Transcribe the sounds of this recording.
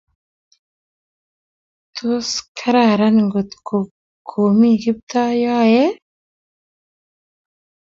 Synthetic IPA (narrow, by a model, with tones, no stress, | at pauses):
t̪ʰu˦skʰa˦ɾaː˨ɾa˦nŋɡo˨t̪kʰo˨ | kʰo˨mi˦ɡi˦b̚t̪a˦jaː˦je˦